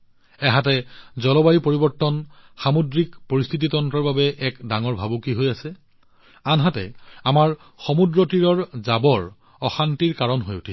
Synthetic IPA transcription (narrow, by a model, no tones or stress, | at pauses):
ɛɦatɛzɔlɔbajipoɹibɔɹtːɔnxamodɹikpoɹist̪ʰititɔntɹɔɹbabɛʔɛkdaŋɔɹbʱabukiɦojasɛ | anɦatɛ̰amaɹ | xɔmudɹɔtiɹɔɹzabɔɹ | ɔxantiɹkaɹɔnɦojutʰi